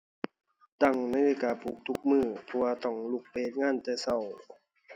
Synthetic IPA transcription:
t̪a˧˩ŋna˧˥˨jleː˧˥˨kaː˨˩pʰuː˨˩k̚t̪ʰu˦˥k̚mɯː˧˩pʰɔ˧waː˧t̪ɔ˧˩ŋlu˧˩k̚peeː˧˩t̪̚ŋaː˧˥˨nt̪a˧˩sa˧˩˨w

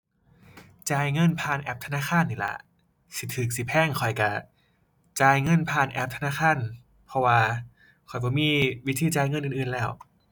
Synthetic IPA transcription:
t͡ɕaː˧jŋɤ˧˥˨npʰaː˧˩˨nʔɛ˧˥p̚t̪ʰa˧naː˧˥˨kʰaː˧˥˨nːiː˧˩la̰˧˩ | si˨˧˦t̪ʰɯː˨˩k̚si˧˦˩pʰɛː˧˩ŋkʰɔ˨˩jka˧˩ | t͡ɕaː˧jŋɤ˧˥˨npʰaː˧˩nʔɛ˧˥p̚t̪ʰa˧naː˧˥˨kʰaː˧˥˨n | pʰɔ˧waː˧ | kʰɔ˨˩jbɔː˧˩˦miː˧˩˨wi˦˥t̪ʰiː˧˩t͡ɕaː˧˨jŋɤ˧nʔːʔɯː˨˩nlɛː˧˥˩w

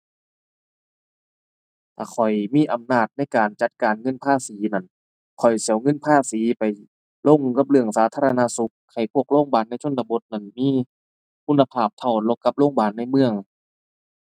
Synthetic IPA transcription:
t̪ʰa̰ː˧˩kʰɔ˨˩jmiː˧˥˨ʔa˨˩mnaː˧˥˩t̪̚na˥˩jkaː˨nt͡ɕa˧˦t̪̚kaː˨˩nŋɤ˧˥˨npʰaː˥˧˨siː˨˦na˧˩n | kʰɔ˨˩jsi˨˦wŋɤ˧˥˨npʰaː˥˩˨siː˨˦pa˨˩j | lo˧˩˨ŋka˧˦p̚lɯ˧˩əŋsaː˨˦t̪ʰaː˧la˧na˧su˧˦k̚ha˧˩jpʰu˧˥˩ək̚loː˧˥˨ŋbaː˨˩nːa˧˥˩jt͡ɕʰo˧˥˨nd̪a˧bo˧˦t̪̚na˧˩nmiː˧˥˨ | kʰu˧˥˨nːa˧pʰaː˧˩p̚t̪ʰaː˧˩nlo˧˩kːa˧p̚loː˧˥˨ŋbaː˨˩nːa˧˩jmɯ˧˩əŋ

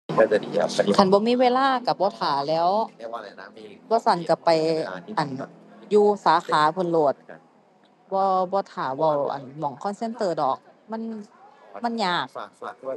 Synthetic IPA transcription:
a˧˩nbɔː˧miː˧˥˨weː˧˨laː˧˥˨ka˧˩bɔː˧˦t̪ʰaː˨˩lɛː˦˥w | bɔː˧sa˧˩˨nka˧˩pa˨˩jʔa˨˩n | juː˧saː˨˦xʰaː˨˦pʰɯ˧˨nloː˧˩t̪̚ | bɔː˧˦bɔː˧t̪ʰaː˨˦bɔ˧˩wʔa̰˨˩nmɔ˨˩˦ŋkʰɔː˧˥˨nse˧˥˨nt̪ɤː˧˩dɔː˨˩k̚ | ma˧˥˨n | ma˧˥˨njaː˧˩k̚

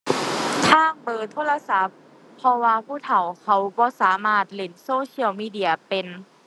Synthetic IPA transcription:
t̪ʰaː˧˥˩ŋbɤː˧˩t̪ʰoː˧˥˨la˧sa˧˥pʰː | ɔ˧waː˧pʰuː˧˥˨t̪ʰa˨˩wkʰa˧˩wbɔː˧˦saː˩˦maː˧˥˩t̪̚le˧˩nsoː˧sʰi˧˥əwmiː˧˥˩di˧˩ɐpe˨n

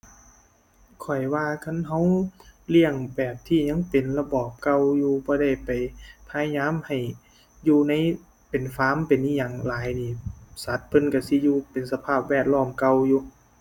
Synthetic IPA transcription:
kʰɔ˨˩jwaː˧kʰa˧˥˨nɦa˧˥wli˧˥˨əŋbɛː˨˩p̚t̪ʰiː˧˩ɲa˧˥˨ŋpe˨˩nla˧bɔː˨˩p̚ka˧wjuː˧bɔː˧˦da˧˩jpa˨˩jpʰaː˧˥ɲaː˧˥˨mha˨˩j | juː˧na˧˥˩j | pe˨˩nfaː˧˥˨mpe˨nʔiː˧˩ɲaː˨˩ŋlaː˨˦jniː˧˩sa˨˦t̪̚pʰɤ˧˨nka˧˩si˧˦juː˧pe˨nsa˧pʰaː˧˥˩p̚wɛː˧˩t̪̚lɔː˧˥˩mka˧wjuː˧

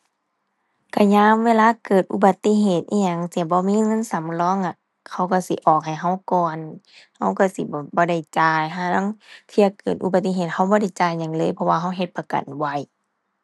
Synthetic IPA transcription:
ka˧˩ɲaː˧˥˨mweː˧˥˨laː˧˥˨kɤː˨˩t̪̚ʔu˧ba˧˦t̪ːi˧˥˨ɦeː˧˨˩t̪̚ʔḭː˧˨ɲa˧˩ŋsi˧˦ɐ˦bɔː˧˦miː˧˥˨ŋɤ˧˥˨nsa˨˦mlɔː˧˥˨ŋʔa˧ | kʰa˧˩wka˧˩si˨˦ʔɔː˨˩k̚ha˨˩jɦa˧˩wkɔː˨˩n | ha˧˥˩wka˧˩si˧˦bɔː˧˦bɔː˧˦da˧˩jt͡ɕaː˧˩jɦaː˧˨nɔ˧˥˨ŋt̪ʰi˧ɐ˧˨kɤː˨˩t̪̚ʔṵ˧ba˧t̪ːi˧ɦeː˧˨˩t̪̚ha˧˩wbɔː˧˦da˧˩jt͡ɕaː˧˨jɲa˧˩ŋlɤː˧˥˨jpʰɔ˧waː˧ɦa˧˥˩wɦe˧t̪̚pa˧ka̰˨nwa˧˩j

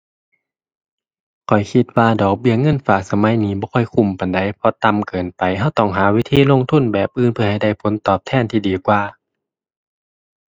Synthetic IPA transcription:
kʰɔ˨˩jkʰi˧t̪̚waː˧dɔː˨˩k̚bi˧˩əŋɤ˧˥˨nfaː˨˩k̚sa˧ma˧˥˨jniː˧˦bɔː˧˦kʰɔ˧˩jkʰu˧˩˨mpa˨nda˧˩jpʰɔ˧t̪a˧˨mkɤː˨npa˨˩jɦa˧˩wt̪ɔ˧˩˨ŋɦaː˨˦wi˧˥t̪ʰiː˧˨lo˧˥˨ŋt̪ʰu˧˥˨nbɛː˨˩p̚ʔɯː˧npʰɯ˧ɐha˧˩jda˧˩jpʰo˨˦nt̪ɔː˨˩p̚t̪ʰɛː˧˩˨nt̪ʰiː˧diː˨kwaː˧

